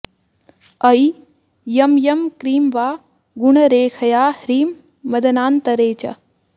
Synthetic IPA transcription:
ɐj | jɐmjɐmkɾiːmʋaː | ɡuɳɐɾeːkʰɐjaːhɾiːmː | ɐd̪ɐnaːnt̪ɐɾeːt͡ʃɐ̰

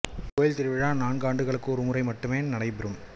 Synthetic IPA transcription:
koːjɪlt̪ɪɾɯʋɪɻaːnaːɳɡaːɳɖɯɣɐɭɯkːɯɔɾɯmʊɾɐɪmɐʈːɯmeːnɐɽɐɪpɪɾɯm

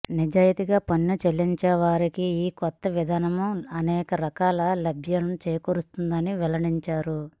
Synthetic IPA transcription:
nid͡ʒaːjɐt̪iɡaːpɐnːut͡ʃelːiɲt͡ʃɛːʋaːɾikiiːkɔt̪ːɐʋid̪ʱaːnɐmuɐnɛːkɐɾɐkaːlɐlɐbʱjɐnɐt͡ʃeːjkoɾust̪und̪ɐniʋɛlɐɽiɲt͡ʃaːɾu

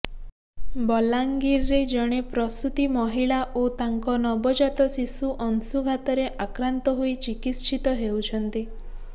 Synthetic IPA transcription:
bɔlaŋɡiɾːed͡ʒɔɽ̃epɾɔst̪ut̪imɔɦiɭaʔot̪aŋkɔnɔbɔd͡ʒat̪ɔsisuʔɔnsuɡʱat̪ɔɾeʔakɾant̪ɔɦuit͡ʃikit̪ʃʰit̪ɔɦewt͡ʃʰɔnt̪i

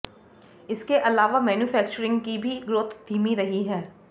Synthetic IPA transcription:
ɪskeʔɐlaːʋamɛːnjufɛːk̚t͡ʃəɾɪ̃ŋɡkibʱiɡɾoːt̪ʰd̪ʱiːmiɾɐɦiɦɛː

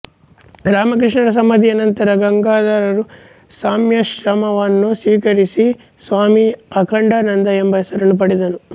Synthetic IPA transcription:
ɾaːmɐkɾiʂɳɐɾɐs̬ɐmɐd̪iɐnɐnt̪ɐɾɐɡɐŋɡaːd̪aɾɐɾu | saːmjɐʃɾɐmɐʋɐnːusiːkɐɾisi | sʋaːmiɐkʰɐɳɖɐnɐnd̪ɐembɐjɐsɐɾɐnup̬ɐɽid̪ɐnu

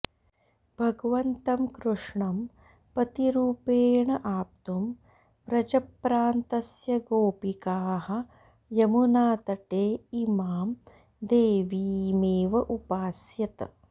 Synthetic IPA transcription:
b̥ʱɐɡɐʋɐnt̪ɐmkɾuʂɳɐm | pɐt̪iɾuːpeːɳɐʔaːp̚t̪um | ɾɐd͡ʒɐpɾaːnt̪ɐsjɐɡoːpikaːɦɐ̆ | jɐmunaːt̪ɐʈeːimaːm | d̪eːʋiːmeːʋɐʔupaːsjɐt̪ɐ̰

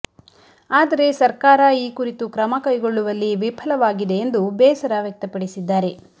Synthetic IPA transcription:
aːd̪ɐɾe̞sɐɾkaːɾɐiːkuɾit̪ukɾɐmɐkɐjɡo̞ɭːuʋɐlːiʋipʰɐlɐʋaːɡid̪e̞ːnd̪ubɛːsɐɾɐʋjɐk̚t̪ɐpɐɽisid̪ːaːɾe̞

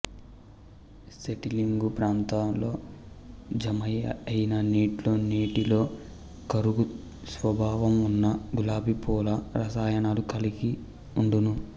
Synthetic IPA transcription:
seʈiliŋɡupɾaːnt̪aːmlo̞ː | d͡ʒɐmɐjɐɐjinɐniːʈlo̞ːniːʈilo̞ː | kɐɾuɡu | sʋɐbʱaːʋɐmunːɐɡulaːbipɔːlɐɾɐsaːjɐnaːlukɐliɡi | uɳɖunu

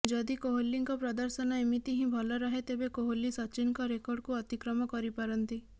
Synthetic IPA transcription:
d͡ʒɔd̪ikoɦolːiŋkɔpɾɔd̪ɔɾsɔnɔemit̪iɦĩbʱɔlɔɾɔɦet̪ebekoɦolːisɔt͡ʃinkɔɾekɔɾɖkuɔt̪ikɾɔmɔkɔɾipaɾɔnt̪i

